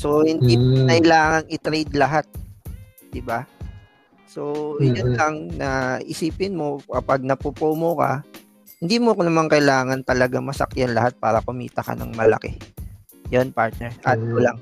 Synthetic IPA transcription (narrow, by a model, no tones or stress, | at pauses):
so̞hɪndd̪inɐʔɪlaːŋɐŋɪt̪ɾɛjd̪lɐɦat̪̚ | d̪̥ɪba | so̞jonlɐŋnɐʔɪsiːpɪnmo̞kɐpaɡ̚nɐpopoːmokɐ̰ | hɪnd̪iːmokonɐmaŋkɐɪlaːŋɐnt̪ɐlɐɡaŋmɐsɐ̰kjanlɐhat̪̚paːɾɐkʊmḭːt̪ɐkɐ̰nɐ̰ŋmɐlɐ̰kɛ | jonpaɹt̪̚nɛɹʔat̪molaŋ